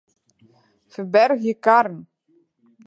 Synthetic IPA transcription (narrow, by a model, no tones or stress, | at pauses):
fəbɛɾɣjɛkaɾn